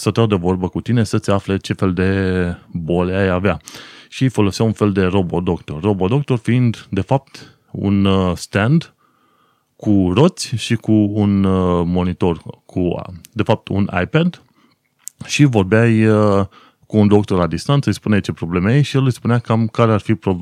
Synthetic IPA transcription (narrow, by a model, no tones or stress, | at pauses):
sət̪ad̪evo̞rbəkut̪ine̞sət̪seafle̞t͡ʃe̞fe̞ld̪e̞bo̞leajaveaʃiejfo̞lo̞siawunfe̞ld̪e̞ro̞bo̞d̪o̞k̚t̪o̞rːo̞bod̪o̞k̚t̪o̞rfiind̪d̪e̞fap̚t̪ | ṵnst̪end̪ | kuro̞t̪sʲʃikuːnmo̞nit̪o̞rkʰṵd̪e̞fap̚t̪ʰṵna̰jped̪ | ʃivo̞rbeaj | kuːnd̪o̞kt̪o̞rlad̪ist̪ant̪səɨjspuneajt͡ʃe̞pɾo̞ble̞mejejʃijelɨjspuneakamkaɾearfipɾo